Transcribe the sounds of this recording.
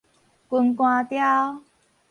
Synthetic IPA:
ku˧nkwã˧t̪ja˦w

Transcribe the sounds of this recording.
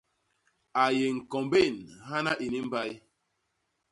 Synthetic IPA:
a˨je˨ŋ̩˨kɔ˨mbe˦˨nɦa˦na˦ʔi˨ni˦m̩˦ba˦j

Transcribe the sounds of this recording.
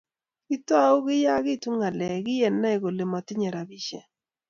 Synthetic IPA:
ɪ˦twa˦ʊ˦ɣɪ˦ja˦ɣɪ˦˨tu˦ŋa˨lɛ˨ɡɪ˦jɛ˨nːa˦e˨ɣo˨le˨ma˨tɪ˦ɲɛ˨ɾa˨bi˦ʃɛ˦

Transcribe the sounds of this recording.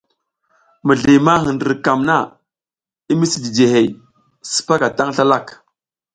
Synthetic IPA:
mə˨ɮi˨ma˦ɦə˨ndə˨ɾka˨mna˦ | i˦mi˦si˨di˨d͡ʒe˨ɦe˨j | sə̥˨pa˦ka˨ta˦ŋɬa˦la˦˨k

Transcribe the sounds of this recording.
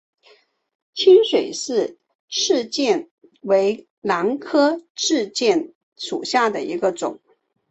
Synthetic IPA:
t͡ɕʰi˥nʂwe˨˩ɪʂɻ̩˥˩ | ʈ͡ʂʰɻ̩˥˧t͡ɕjɛ˥˩n | we˧˥ɪ | la˧˥ŋkʰɤ˥ʈ͡ʂɻ̩˥˧t͡ɕjɛ˥˩n | ʂṵ˨˩ɕja˥˩d̪ə˩i˧˥ɡə˧ʈ͡ʂʊ̰˨˩˦ŋ

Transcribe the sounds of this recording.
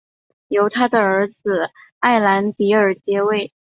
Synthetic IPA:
jo˧˥ʊt̪ʰa˥d̪ə˨ə˞˧˥d͡z̩˧a˥˩ɪla˧˥nt̪i˧˥ə˞˨˩t͡ɕjɛ˧˥we˥˩ɪ

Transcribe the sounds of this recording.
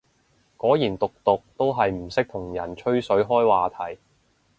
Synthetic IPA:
kɔː˨˥jiː˨˩nt̪ʊ˨k̚t̪ʊ˨k̚t̪o˥wɦɐ˨jm̩˨˩sɪ˥k̚t̪ʰʊ˨˩ŋjɐ˨˩nt͡ʃʰɵ˥ɥsɵ˨˥ɥɦɔː˥jwaː˨t̪ʰɐ˨˩j

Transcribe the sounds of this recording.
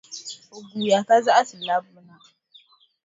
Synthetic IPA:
ʔʊ˨ɡʷu˨ja˨ka˦za˦ʔa˦sɪ˨la˦bu˦na˨

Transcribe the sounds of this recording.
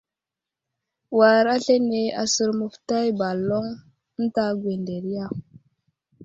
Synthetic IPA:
wa˨ɾa˦ɬe˦ne˨a̰˨sə˨ɾmu˨fta˦jba˨lo˦ŋ | n̩˦ta˦ɡwe˨nde˨ɾi˦ja˦˨

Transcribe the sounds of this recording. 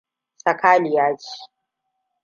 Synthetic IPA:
sɐ˨kʰaː˦lɪ˨jaː˦d͡ʒi̥˦˨

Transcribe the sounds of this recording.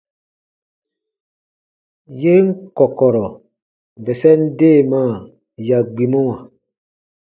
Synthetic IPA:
je˦ŋ̩˦kɔ˨kɔ˨ɾɔ˨ | vɛ˨sɛ˦n̩˦deː˦˨ma˦˨ | ja˨ɡ͡bi˨mo˦wã˨

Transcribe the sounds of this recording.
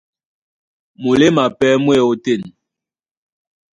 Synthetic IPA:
mo˨le˦ma˨pɛ˦mwɛ˦˨o˦te˦˨n

